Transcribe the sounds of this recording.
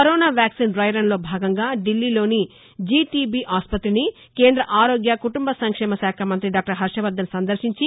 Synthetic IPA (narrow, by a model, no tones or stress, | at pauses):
kɐɾoːnaːʋjaːksiːnɖɾɐjɾɐnlo̞ːbʱaːɡɐŋɡaːɖilːiːlo̞ːni | d͡ʒiːʈibiʔaːspɐt̪ɾini | keːnd̪ɾɐʔaːɾoːɡjɐkuʈumbɐsɐŋkʂɛːmɐʃaːkʰɐmɐnt̪ɾiɖaːk̚ʈɐɾɦɐɾʂɐʋɐd̪ːɐnsɐnd̪ɐɾʃiɲt͡ʃi